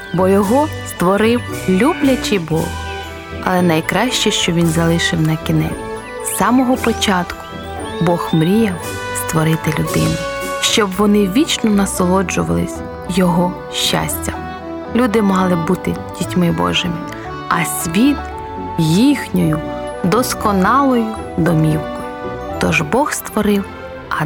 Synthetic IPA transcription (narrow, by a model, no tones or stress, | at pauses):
bɔjɔɦɔst̪ʋɔɾɪwlʲublʲɐt͡ʃɪbɔ̰w | ɐ̰lˠɛnɐjkɾɑʃt͡ʃɛʃt͡ʃɔʋʲinzɐlˠɪʃɪwnɐkʲinɛ̰ | sːɑmɔɦɔpɔt͡ʃɑt̪kʊ̥ | bɔxmɾʲijɐw | st̪ʋɔɾɪt̪ɪlʲʊd̪ɪnʊʃt͡ʃɔbʋɔnɪʋʲit͡ʃnɔnɐsɔlˠɔd͡ʒʊʋɐ̰lˠɪ̰sʲ | jɔɦɔ | ʃt͡ʃa̰sʲtʲɐ | lʲud̪ɪmɑɦlˠɪbut̪ɪdʲitʲmɪbɔ̰ʒɪmɪ | ɐsʲʋʲit̪ | jixnʲɔjʊd̪ɔskɔnɑlˠɔjʊ | d̪ɔmʲiwkɔjʊt̪ɔʒbɔxst̪ʋɔɾɪw | ɐ